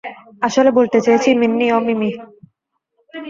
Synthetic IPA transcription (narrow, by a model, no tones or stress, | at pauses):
aʃolebolt̪et͡ɕajet͡ɕʰiminːiomimi